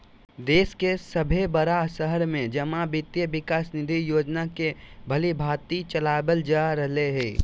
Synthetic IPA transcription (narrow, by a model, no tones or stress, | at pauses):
d̪eːskesəbʱebəɾasəɦəɾmẽd͡ʒəmãbɪt̪jəbɪkaːsnɪd̪ʱijoːd͡ʒnakebʱəlibʱaːt̪it͡ʃəlaːbəld͡ʒaɾəɦleɦɛː